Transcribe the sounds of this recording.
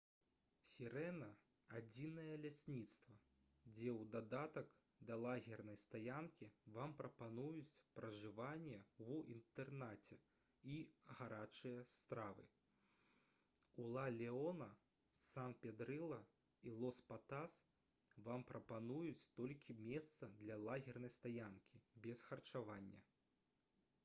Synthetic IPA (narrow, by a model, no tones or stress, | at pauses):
sʲiɾɛnɐ | ad͡zʲinɐjɐlʲasʲnʲit̪st̪vɐ | d͡zʲɛwd̪ad̪at̪ɐk | d̪ɐlˠaɣʲɛrnɐjst̪ajankʲivampɾɐpanujut͡sʲpɾɐʐɨvanʲːɛuḭnt̪ɛrnat͡sʲɛ | iɣaɾat͡ʂɨjɐst̪ɾavɨ̰ | ulˠalʲɛɔnɐ | sanpʲɛd̪ɾɨlˠɐ | ilˠɔspat̪as | vampɾɐpanujut͡sʲt̪ɔlʲkʲʰimʲɛst̪sɐd̪lʲɐlˠaɣʲɛrnɐjst̪ajankʲibʲɛsxɐrt͡ʂavanʲːɐ̰